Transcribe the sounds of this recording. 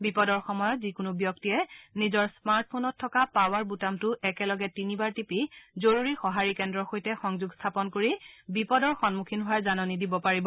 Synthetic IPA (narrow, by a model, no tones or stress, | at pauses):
bipɔdɔɹxɔmɔjɔtzikʊnubjɔktiɛnizɔɹsmaɹt̚ʰpʰonɔtʰːɔkapawaɹbutamtʊʔɛkɛlɔɡɛtinibaɹtipizoɹuɹixɔɦaɹikɛndɹɔxojtɛxɔŋzuɡstʰapɔnkoɹibipɔdɔɹxɔnmukʰinɦʊwaɹzanɔnidibɔpaɹibɔ